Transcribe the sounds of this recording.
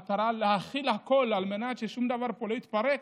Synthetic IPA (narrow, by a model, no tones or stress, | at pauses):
t̪aʁalehaχilhako̞lalme̞nat̪ʃeʃumd̪avaʁpolo̞it̪paʁek